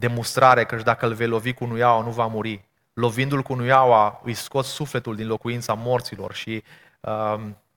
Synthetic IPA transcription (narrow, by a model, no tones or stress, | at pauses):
d̪e̞monst̪ɾaɾe̞kəʃd̪akəlve̞jlo̞vikunujawanuvamuɾi | lo̞vind̪ulkunujawaɨjsko̞t̪ssufle̞t̪uld̪inlo̞kuint̪samo̞rt̪silo̞̰rʃi | ə